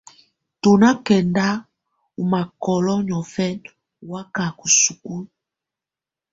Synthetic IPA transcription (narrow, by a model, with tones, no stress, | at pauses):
to˨na˦kɛ˨nda˦ | u˨ma˨kɔ˨lɔ˦ɲɔ˨fɛ˦n˨ | wa˦ka˨ku˨su˨ku˦